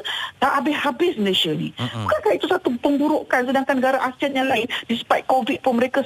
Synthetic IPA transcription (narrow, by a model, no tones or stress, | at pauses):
t̪aʔabɪhhabɪsməleʃanḭbukankaʔit̪usat̪upəŋbuɾoʔkans̬ədaŋkanːəɡaɾaʔasianjaŋlaɪndisə̥pat̪̚kovid̪̚pʊnməɾeka